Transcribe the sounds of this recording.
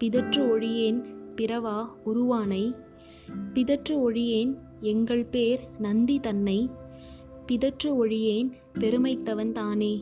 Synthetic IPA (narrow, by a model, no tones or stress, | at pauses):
pɪðɐʈrɯɔɻɪjeːnpɪɾɐʋaːʊɾʊʋaːnɐɪ | pɪðɐʈrɯɔɻɪjeːn | ɛŋɡɐɭpeːɾnɐnd̪it̪ɐnːɐɪ | pɪðɐʈrɯɔɻɪjeːn | pɛɾɯmɐɪt̪ːɐʋɐnt̪aːneː